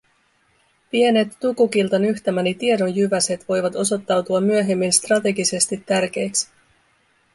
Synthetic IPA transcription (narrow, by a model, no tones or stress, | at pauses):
pie̞ne̞t̪ːukukilt̪ɑnyçt̪æmænit̪ie̞do̞njyʋæse̞t̪ʋo̞jʋɑt̪o̞so̞t̪ːɑwt̪uɑmːyøɦe̞mːinst̪rɑt̪e̞ɡise̞st̪it̪ːærk̟e̞jksi̥